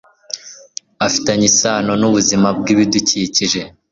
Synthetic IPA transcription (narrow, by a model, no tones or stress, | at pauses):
afi̥taɲisaːno̞nuβuzimab̚ɡiːβiduciciʒe̞